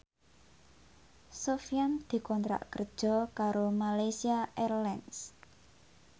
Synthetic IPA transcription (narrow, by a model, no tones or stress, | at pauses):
sofijand̪̥i̤kɔnt̪ɾa̰ʔkərd̥ʒ̥ɔ̤kaɾomalajsiaʔɛrlɛns